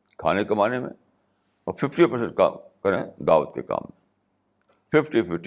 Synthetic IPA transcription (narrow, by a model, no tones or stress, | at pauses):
kʰa̰ːnekɐmaːnemḛ̃ | ɔːɾfɪfʈipɐɾsə̃ɳʈka̰kɐɾẽd̪aːʋət̪̚kḛka̰ːmːẽ | fɪfʈifɪfʈi